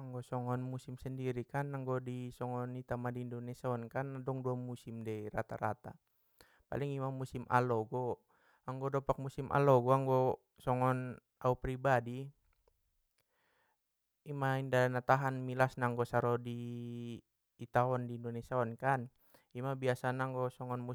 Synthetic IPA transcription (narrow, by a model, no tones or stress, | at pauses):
aŋɡɔsɔŋɔnmusimsɛndiɾikanaŋɡɔdisɔŋɔnit̪amadiːndɔnɛsaɔnkanadɔŋduamusimdɛrat̪a̰ɾa̰t̪a̰ | pa̰liŋimamusimʔa̰lɔɡɔ | aŋɡɔdɔpak̚musimʔa̰lɔɡɔaŋɡɔ | sɔŋɔn | aupɾibadi | imaindanat̪aɦanmilasnaŋɡɔsaɾɔdi | t̪aɔndiːndɔnɛsaɔnkan | imabiasanaŋɡɔsɔŋɔnmu